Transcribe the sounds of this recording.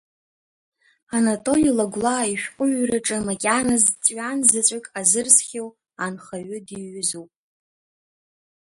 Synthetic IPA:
anatʼo̞lilaɡʷlaːiʃᶣqʷʼʊɥraʈ͡ʂʼɨmakʲʼanazt͡sʼɥanzɨt͡sʼakʼazɨrsχʲew | anχaɥʏdiɥʏzupʼ

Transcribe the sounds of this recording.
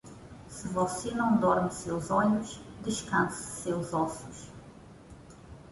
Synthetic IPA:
sɨvɔsenɐ̃w̃d̪ɔɾmsewzɔɲʊʃd̪ɨʃkɐ̃nsɐ̥sewzɔsʊʃ

